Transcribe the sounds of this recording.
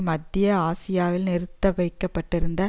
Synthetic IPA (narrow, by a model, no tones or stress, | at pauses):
mɐd̪ɪjɐaːsɪjaːʋɪlnɪɾɯt̪ːɐʋɐɪkːɐpːɐʈːɪɾɯnd̪ɐ